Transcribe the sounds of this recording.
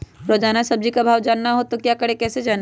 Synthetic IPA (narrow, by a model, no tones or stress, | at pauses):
ɾod͡ʒaːnasɐb̚d͡ʒikabʱaːʋd͡ʒaːnːaɦot̪okjaːkɐɽekɛːsed͡ʒaːn